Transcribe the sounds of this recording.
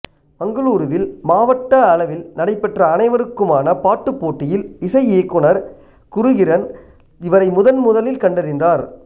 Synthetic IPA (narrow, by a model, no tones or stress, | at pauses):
mɐŋɡɐɭuːɾɯʋɪlmaːʋɐʈːɐɐlɐʋɪlnɐɽɐɪpːɐʈrɐːnɐɪʋɐɾɯkːɯmaːnɐpaːʈːɯpːoːʈːɪjɪlɪsɐɪeːkːɯɳɐɾ | kʊɾʊɣɪɾɐn | ɪʋɐɾɐɪmʊðɐnmʊðɐlɪlkɐɳɖɪɾɪnd̪aːɾ